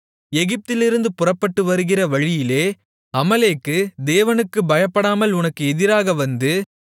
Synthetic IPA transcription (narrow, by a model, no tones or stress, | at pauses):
ɛɣɪp̚t̪ɪlɪɾɯnd̪ɯpʊrɐpːɐʈːɯʋɐɾɯɣɪrɐʋɐɻɪjɪleː | ɐmɐleːkːɯd̪eːʋɐnɯkːɯbɐjɐpːɐɽaːmɐlʊnɐkːɯɛðɪɾaːɣɐʋɐnd̪ɯ